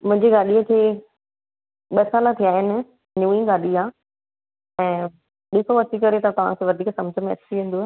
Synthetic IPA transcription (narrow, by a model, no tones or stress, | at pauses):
mʊ̃ɦɪ̃ɲd͡ʑiɡaːɗiəkʰeː | ɓɐsaːnãt̪ʰijaːɦɪnɪ̆ | nuːĩɡaːɗiaː | ɛ̃ː | ɗɪsoɐt͡ɕikɐɾet̪ɐt̪ɐʋ̤ã̰kʰeʋɐd̪ʱiːksɐmd͡ʑʱəmẽɐ̰t͡ɕiʋẽːn̆d̪uː